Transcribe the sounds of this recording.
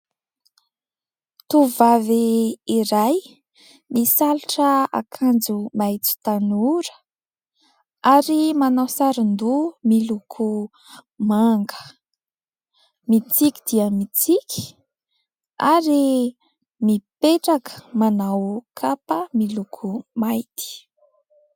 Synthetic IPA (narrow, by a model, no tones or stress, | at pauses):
t̪uvaviiɾaj | misaliʈ͡ʂəa̰kʰand͡zumajt͡si̥t̪anuɾə̥ | aɾimanawsaɾind̪umilukʰu | maŋɡə̥ | mit͡sikid̪̥iəmit͡sikʲi̥ | aɾi | mipeʈ͡ʂakə̥manawkʰapəmilukʰumajt̪i̥